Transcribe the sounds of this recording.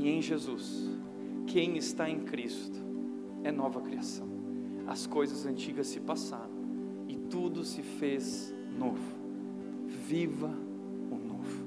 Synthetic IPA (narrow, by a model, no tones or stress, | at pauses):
ẽj̃ʒezus | kʰẽj̃ɪst̪aẽj̃kɾist̪ʊ̥ | ɛnɔvɐkɾiasɐ̃w̃ | ɐ̰skojzɐzɐ̃nt͡ʃiɡɐsːɪpasaɾɐ̃w̃ | ɪt̪ud̪ʊsɪfez | novʊ | vivɐ | ʊnovʊ